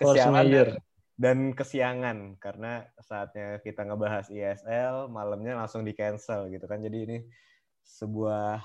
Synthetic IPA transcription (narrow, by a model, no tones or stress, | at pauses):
kəsiamajər | dankəsiaŋankaɾəna | saːt̪̚ɲakit̪aŋəbaɦasiɛsɛlmalamɲalaŋsʊŋdikɛnsəlɡit̪ukand͡ʒadiːni | səbuah